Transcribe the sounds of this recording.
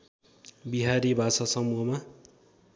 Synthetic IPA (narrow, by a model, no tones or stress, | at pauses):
biɦaɾibʱasasʌmuɦʌma